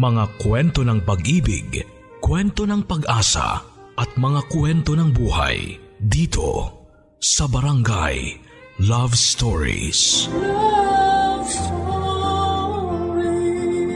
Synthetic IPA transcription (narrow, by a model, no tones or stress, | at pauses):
mɐŋakwɛnt̪o̞nɐŋpɐɡʔiːbɪ̰ɡ | kwɛnt̪o̞nɐŋpɐɡʔaːsɐ̰ | ʔɐt̪̚mɐŋakwɛnt̪o̞nɐŋbuːha̰j | d̪iːt̪ʰo̞̰ | sɐbɐɾɐŋɡa̰j | lavst̪oɹḭs